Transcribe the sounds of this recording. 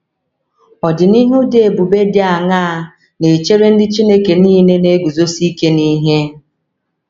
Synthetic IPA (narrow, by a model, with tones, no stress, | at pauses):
ɔ˨dɪ˨ni˦ɦʊ˦de˨bu˨be˦dɪ˦a˨ŋa˦a˦ | ne˨t͡ʃe˦ɾe˦n̩˦dɪ˦t͡ʃi˦ne˦ke˨niː˦ne˦ne˦ɡu˨zo˦si˦ke˦ni˦ɦe˦